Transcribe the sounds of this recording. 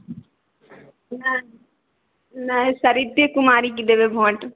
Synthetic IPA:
nɐ | nɐesɐɾid̪ekumaːɾikid̪eʋebʱõːʈ

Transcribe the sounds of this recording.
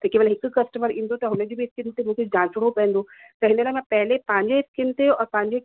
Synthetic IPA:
t̪ɐkeːbəlɦɪkkɐsʈəməɾĩːn̆d̪ot̪ɐɦʊnəd͡ʑoːbɪɪskɪnt̪emũːkʰed͡ʑãːsʊɽopɐ̃ːə̃n̆d̪o | t̪ɐɦɪnələmãpɛɦɪlepɐ̃ɦɪ̃ɲd͡ʑeɪskɪnt̪eɔːɾpɐ̃ɦɪ̃ɲd͡ʑe

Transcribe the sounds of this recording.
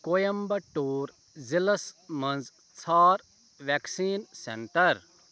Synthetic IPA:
kojɐmbɐʈuːɾ | zilɐsmɐnd͡z | t͡sʰaːɾ | ʋeksiːnsḛɳʈɐɾ

